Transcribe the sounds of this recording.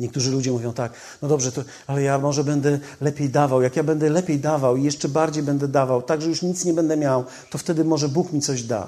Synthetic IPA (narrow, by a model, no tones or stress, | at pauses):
ɲɛkt̪uʐɘlud͡ʑɛmuvʲjɔ̃w̃t̪ak | nɔd̪ɔbʐɛt̪ɔ | alɛjamɔʐɛbɛnd̪ɛ | lɛpʲjejd̪avawjakjabɛnd̪ɛlɛpʲjejd̪avawijɛʂt͡ʂɛbaɾd͡ʑejbɛnd̪ɛd̪avawt̪aɡʐɛjuʂɲit̪sɲɛbɛnd̪ɛmʲjaw | t̪ɔft̪ɛd̪ɘmɔʐɛbukmʲit̪sɔʑd̪a̰